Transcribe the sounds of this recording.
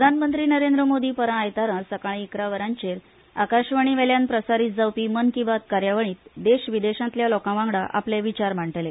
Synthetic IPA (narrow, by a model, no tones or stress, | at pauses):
pɾəd̪ʱanmənt̪ɾiːnəɾend̪ɾəmod̪iːpəɾãajt̪aɾãsəkaɭ̃iːkɾaʋəɾãɲt͡ɕeɾ | akaɕʋəɽ̃iʋɛljanpɾəsaɾiːt̪̚d͡zawpiːmənkibat̪̚kaɾjaʋəɳ̃iːt̪d̪eɕʋid̪eɕãnt̪ljalɔkãʋãŋɡɽaʔa̰pleʋit͡ɕaɾm̤aɳʈəle